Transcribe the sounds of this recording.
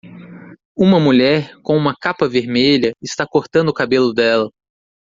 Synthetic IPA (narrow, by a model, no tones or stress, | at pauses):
ũmɐmuʎɛɾkõũmɐkapɐveɾmeʎɐɪst̪akoɾt̪ɐ̃nd̪ʊːkabelʊd̪ɛlɐ